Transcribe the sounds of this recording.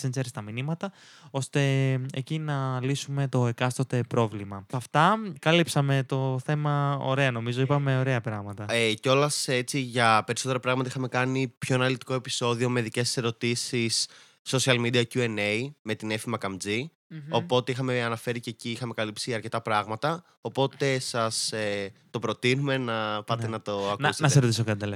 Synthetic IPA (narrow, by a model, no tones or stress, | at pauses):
enzeɾest̪ɐminimɐt̪ɐ | o̞st̪e̞ecinɐlisume̞t̪o̞ekɐst̪ot̪e̞pɾo̞vlimɐɐft̪ɐkɐlipsɐme̞t̪o̞θe̞mɐo̞̰ɾe̞ɐno̞mizo̞ipɐme̞o̞ɾe̞ɐpɾɐɣmɐt̪ɐeceo̞lɐse̞t͡siʝɐpe̞ɾisot̪eɾɐpɾɐɣmɐt̪ɐixɐme̞kɐnipço̞enɐlit̪i̥ko̞e̞pi̥so̞ðio̞me̞ðice̞sse̞ɾo̞t̪isisː | o̞siɐlmid̪iɐcue̞neime̞t̪ine̞fimɐkɐmd͡zi | o̞po̞t̪eixɐme̞ɐnɐfe̞ɾiceciixɐme̞kɐlipsiʝɐɾce̞t̪ɐpɾɐɣmɐt̪ɐ | opo̞t̪e̞sɐset̪o̞pɾo̞t̪inume̞nɐpɐt̪enɐt̪o̞ɐknɐusenɐsesɾot̪isokɐt̪it̪el